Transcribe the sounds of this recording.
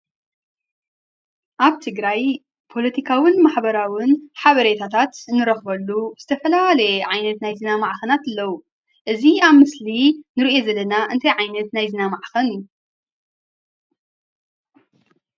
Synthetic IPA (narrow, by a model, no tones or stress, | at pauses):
ʔaβt̪ʰɨɡɾaj | pʰo̞lɐt̪ʰikʰawɨnmaħbɐɾawɨnħaβɐɾet̪ʰat̪ʰat̪nɨɾɐxbɐlːuz̥ɨt̪ʰɐfɐlalɐjɛʕajnɐt̪najzɨnamaʕxɐnat̪ɨlːɐwu | ʔɨziaβmɨslinɨɾiʔe̞zɐlɐnaʔɨnt̪ʰɐjʕajnɐt̪najzɨnamaʕxɐnju